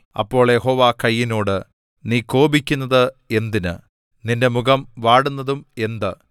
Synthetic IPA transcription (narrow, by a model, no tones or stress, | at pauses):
ɐ̰pːo̞ːɭje̞ɦo̞ːʋaːkɐjːino̞ːɽɨ | niːko̞ːbikʲːunːɐðɨe̞nd̪inɨ̰ | ninde̞muɡɐmʋaːɽunːɐðume̞nd̪ɨ